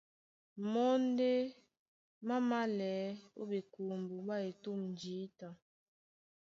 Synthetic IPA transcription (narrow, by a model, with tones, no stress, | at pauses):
mɔ˦n˦de˦ | ma˦ma˦lɛː˨˦ṵ˦be˨ku˨mbu˨ba˦e˨tu˦˨mn˨d͡ʒiː˨˦ta˨